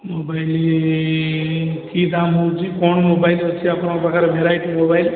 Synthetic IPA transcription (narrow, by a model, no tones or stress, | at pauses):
mobajli | kid̪amɦot͡ʃʰikɔɳmobajlʌt͡sʰiapnabakaɾebʱeɾajʈimobajl